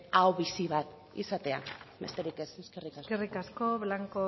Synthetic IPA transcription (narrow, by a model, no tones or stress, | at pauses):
awβisiβ̞at̪ | ḭsat̪e̞a̰me̞st̪eɾikeseskerikaskerikasko̞βlaŋko